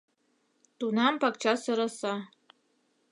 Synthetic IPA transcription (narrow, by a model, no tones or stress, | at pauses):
t̪unɑmpɑkt͡ɕɑsɤ̆ɾɤsɑ